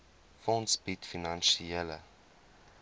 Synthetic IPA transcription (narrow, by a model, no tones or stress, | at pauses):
fɔnsbitfinɐnʃielə̰